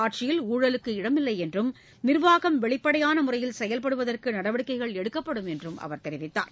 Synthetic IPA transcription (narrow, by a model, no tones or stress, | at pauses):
aːʈ̚t͡ʃɪjɪluːɻɐlɯkːɯɪɽɐmɪlːɐɪɛndrɯm | nɪrʋaːɣɐmʋɛɭɪpːɐɽɐjaːnɐmʊrɐjɪlsɛjɐlpɐɽɯʋɐðɐrkɯnɐɽɐʋɐɽɯkːɐɪɣɐɭɛɽɯkːɐpːɐɽɯmɛndrɯmʔɐ̰ʋɐɾt̪ɛɾɪʋɪt̪ːa̰ːɾ